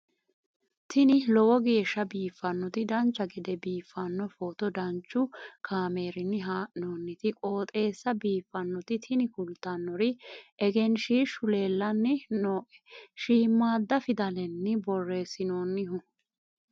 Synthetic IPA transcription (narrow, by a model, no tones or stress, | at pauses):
t̪ʰɪnɪlɔwɔɡe̞ːʃːɐbiːfːɐnːɔt̪ɪd̪ɐnt͡ʃːɐɡɛd̪ɛbiːfːɐnːɔfoːt̪ɔd̪ɐnt͡ʃːʊkʰaːme̞ːɾɪnːɪɦaːʔnoːnːɪt̪ɪkʼo̞ːt̪ʼe̞ːsːɐbiːfːɐnːɔt̪ɪt̪ʰɪnɪkʊlt̪ɐnːɔɾɪʔɛɡɛnʃiːʃʊle̞ːlːɐnːɪnoːʔɛ̥ʃiːmːaːd̪ːɐfɪd̪ɐlɛnːɪbɔrːe̞ːsːɪnoːnːɪɦʊ